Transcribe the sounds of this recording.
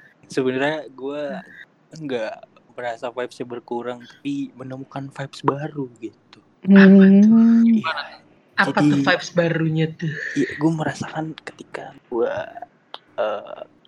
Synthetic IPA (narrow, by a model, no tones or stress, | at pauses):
səbənarɲaɡua | əŋɡa | məɾasafajpsjabərkuɾaŋt̪ḁpimənəmukanfajpsbaɾuɡit̪u | ŋaŋaŋ | aapat̪əfajp̚sbaɾuɲat̪uhijaɡuaməɾasakankə̥t̪ika̰ɡua̰ | əː